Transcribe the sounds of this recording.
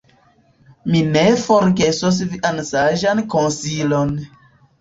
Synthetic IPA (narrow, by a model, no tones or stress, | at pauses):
minefoɾɡe̞sos̬viʔansaʒankonsilon